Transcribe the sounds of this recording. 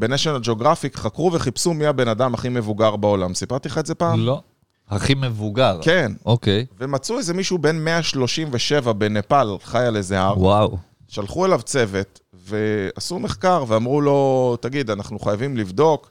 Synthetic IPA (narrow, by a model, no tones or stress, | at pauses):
be̞neʃenad͡ʒeoɡʁafikχakʁuve̞χipsumiabe̞nad̪amhaχime̞vuɡaʁbao̞lamsipaʁt̪iχaezepaːmlo | haχimevuɡaʁke̞nokejve̞mat͡suezemiʃube̞nmeaʃlo̞ʃimveʃe̞vabe̞nepalχajale̞zeaʁwaw | ʃalχue̞lavt͡se̞ve̞t̪ | ve̞asume̞χkaʁveamʁulo̞t̪aɡid̪anaχnuχajavimlivd̪o̞k